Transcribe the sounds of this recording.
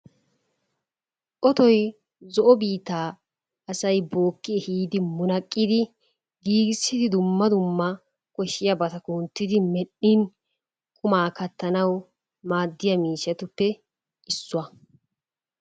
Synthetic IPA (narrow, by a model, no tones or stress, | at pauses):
ʔɔt̪ɔj | zɔʔɔbiːt̪ːaː | ɐsɐjbo̞ːkːɪɛhiːd̪ɪmʊnɐkʼːɪd̪ɪ | ɡiːɡɪsːɪd̪ɪd̪ʊmːɐd̪ʊmːɐ | kɔʃːɪjɐbɐt̪ɐkunt̪ːɪd̪ɪmɛɗːin | kʼʊmaːkɐt̪ːɐnɐw | maːd̪ːɪjɐmiːʃɛt̪ʊpːɛ | ʔɪsːʊɐ